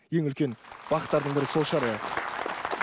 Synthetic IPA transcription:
je̞ŋʏlkʲe̞nb̥ɑqə̥t̪ːɑɾd̪əɴbɪɾɪso̞lˠʃɑɾɑjɑq

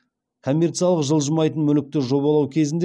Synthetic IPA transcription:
kʰo̞mʲːe̞rt̪sijɑlˠəqʒəlˠʒəmɑjt̪ənmʏlɪk̚t̪ɪʒo̞βɑlˠɑwkʲʰe̞zɪnd̪

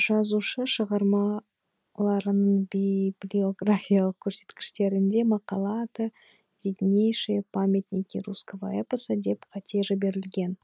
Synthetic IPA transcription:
ʒ̥ɑzuʃəʃəʁɑɾmɑ | lˠɑɾənəɴbiblʲio̞ɡrafʲijalˠəq̚kʲʰɵɾse̞̥t̪kʲɪ̥ʃt̪e̞ɾɪnd̪e̞mɑqɑlˠɑt̪ə | vʲed̪ʲnʲejʃepʰamʲet̪nʲikʲiɾuskova̰epəsəd̪e̞pqʰɑt̪ʲʰeʒəbe̞ɾɪlɡʲe̞n

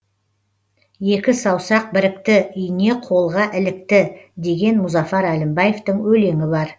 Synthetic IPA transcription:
je̞kʲɪsɑwsɑq̚bɪɾɪkt̪ɪʏjɪne̞qʰo̞lˠʁɑʔɪlɪk̚t̪ɪd̪e̞ɡʲe̞nmʊzɑfɑɾælɪmbɑje̞ft̪əɴwɵle̞ŋɪbɑɾ

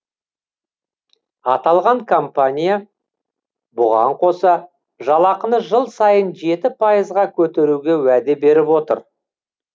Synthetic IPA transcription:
ɑt̪ɑlˠʁɑŋkʰompanʲija | bʊʁɑ̰ɴqʰo̞sɑ | ʒɑlˠɑqənəʒəlˠsɑjənʒe̞t̪ɪpʰajəzʁɑkʲʰɵt̪e̞ɾuɡʲe̞wæd̪ebe̞ɾɪpwo̞t̪ə̰ɾ

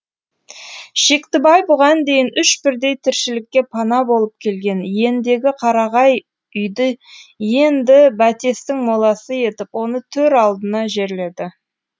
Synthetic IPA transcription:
ʃe̞kt̪ɪbɑjbʊʁɑnd̪e̞jɪnʏʃbɪɾd̪e̞jt̪ʰɪɾʃɪlɪkʲːe̞pʰɑnɑbo̞lˠəp̚kʲʰe̞lɡʲe̞nje̞nd̪e̞ɡʲɪqʰɑɾɑʁɑj | ʏjd̪əje̞nd̪ɪbæt̪e̞st̪ɪŋmolˠɑsəje̞t̪ɪpwo̞nət̪ʰɵɾɑlˠd̪ənɑʒe̞ɾle̞d̪ɪ

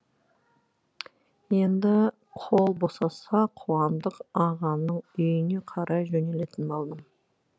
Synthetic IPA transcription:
je̞nd̪ɪ | qʰolˠbo̞sɑsɑqʰowɑmd̪əqɑʁɑnnəɴʏjɪne̞qʰɑɾʔɑjʒɵne̞le̞t̪ɪnbolˠd̪əm

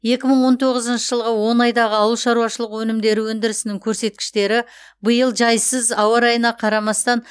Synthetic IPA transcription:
je̞kʲɪməɴwo̞nt̪ʰo̞ʁəzənʃəʒəlˠʁəwo̞nɑjd̪ɑʁəɑwəlˠʃɑɾuɑʃəlˠəqwɵnɪmd̪e̞ɾɪwɵnd̪ɪɾɪsɪnɪŋkʲʰɵɾse̞t̪̚kʲɪ̥ʃt̪e̞ɾɪ | bəjəlˠʒɑjsəzɑwɑɾɑjənɑqʰɑɾɑmɑst̪ɑn

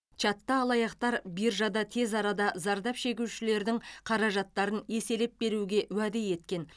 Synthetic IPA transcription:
t͡ʃɑt̪ːɑːlˠɑjɑqt̪ɑɾbiɾʒɑd̪ɑt̪ʰe̞zɑɾɑd̪ɑzɑɾd̪ɑpʃe̞kʲuʃɪle̞ɾd̪ɪŋqʰɑɾɑʒɑt̪ːɑɾəne̞se̞lep̚be̞ɾuɡʲe̞wæd̪eje̞t̪kʲe̞n

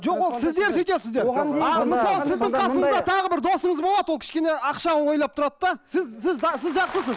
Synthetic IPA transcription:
ʒoqwo̞lˠsɪzd̪e̞ɾsejt̪esɪzd̪eɾɑlˠmɪsɑlˠəsɪzd̪ɪŋʰɑsəɴəzd̪ɑt̪ʰɑʁəbɪɾd̪o̞səɴəzbolˠɑd̪əwlˠkʰʲɪ̥ʃkʲe̞ne̞ɑqʃɑnəwo̞jlˠɑp̚t̪ʰʊɾɑt̪d̪ɑsɪzsɪzɑsɪzʒɑqsəsəz

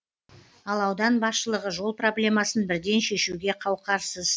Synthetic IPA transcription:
ɑlˠɑwd̪ɑnbɑsʃəlˠəʁəʒo̞lˠpro̞blʲe̞mɑsənbɪɾd̪e̞nʃe̞ʃuɡʲe̞qʰɑwqɑɾsəz̥

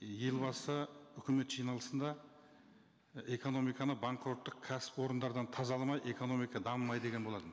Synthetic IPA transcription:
je̞lˠbɑsəʏkʲɪme̞t̪ʒijnɑlˠəsənd̪ɑ | e̞ko̞no̞mijkɑnəbaŋkʰɾo̞t̪ːəq̚kʲʰːæsɪ̥pwo̞ɾənd̪ɑɾd̪ɑnt̪ʰɑzɑlˠɑmɑjʔe̞ko̞no̞mijkɑd̪ɑməmːɑjd̪e̞ɡʲenbo̞lˠɑd̪ə

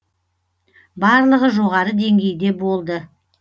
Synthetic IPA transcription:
bɑɾlˠəʁəʒo̞ʁɑɾəd̪e̞ŋɡʲe̞jd̪e̞bo̞lˠd̪ə

